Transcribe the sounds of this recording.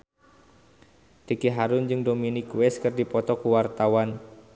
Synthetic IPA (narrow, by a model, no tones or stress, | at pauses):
tikiɦaɾʊnd͡ʒɨŋdominikwɛskɨrdipɔt̪ɔkuwart̪awan